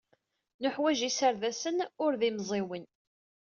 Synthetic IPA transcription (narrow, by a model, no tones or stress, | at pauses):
nʊħwæʒisəɾðæsənʊɾðimzˤɪwən